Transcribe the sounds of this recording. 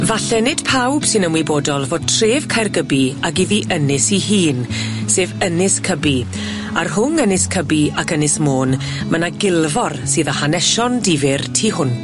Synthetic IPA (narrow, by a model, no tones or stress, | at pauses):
vaɬɛnɪd̥pʰawb̥sɨnəmwiboːdɔlˠvoːd̚tʰreːv̥kʰajrɡəbiak̬iðiʔənɪsihiːn | seːvənɪskʰəbi | arɦʊnənɪskʰəbiakənɪsmoːn | mənaɡɪlˠvɔrsɨːðɔhanɛʃɔndivɪrtʰiːɦʊn